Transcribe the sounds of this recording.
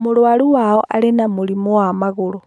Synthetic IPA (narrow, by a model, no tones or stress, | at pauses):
muɾwaluwaɔʔalenamulimowamaɣoɾo